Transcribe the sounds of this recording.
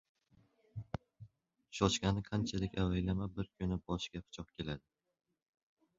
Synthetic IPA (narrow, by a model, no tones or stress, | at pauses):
ʃɒt͡ʃkʲanɪqʰant͡ʃʰalɪkʲawajlamabɪɾkʲʰʊnɪbɒʃkʲapʰʊ̥t͡ʃʰɒq̚kʲʰe̞lad̪ɪ